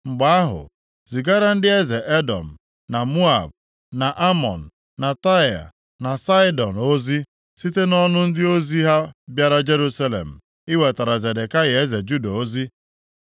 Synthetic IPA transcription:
ŋ͡m̩˨ɡ͡ba˨a˦ɦʊ̰˨ | zi˨ɡa˦ɾa˦n̩˦dɪ˦e˦ze˨ʔe˦dɔ̰˨m̩˨ | na˨mu˦a˨b | na˨ʔa˦mɔ̰˨n̩˨ | na˨ta˦˨a̰˨ | na˨sa˦ɪ˦dɔ˨n˨o˦zi˦ | si˦te˦nɔ˦nʊ˦n̩˦dɪ˦o˦zi˦ɦa˦bja˦ɾa˦d͡ʒe˦ɾu˦sa˦lḛ˨m̩˨ | i˦we˨ta˨ɾa˨ze˨de˨ka˦je˨e˦ze˨d͡ʒu˦da˨o˦zi˦

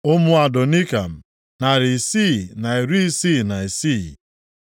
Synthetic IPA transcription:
ʊ˦mʊ˦a˨do˨ni˦ka˨m̩˨ | na˨ɾi˨si˦˨na˨i˨ɾi˦i˦si˦˨na˨i˨si˦˨

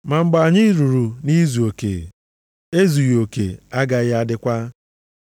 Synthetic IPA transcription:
ma˨ŋ͡m̩˦ɡ͡ba˨ɲɪ˦ɾu˨ɾu˨ni˦zu˨o˨kḛ˨ | e˦zu˨jo˨kḛ˨a˦ɡa˨ɣɪ˦a˦dɪ˦kʷa˦

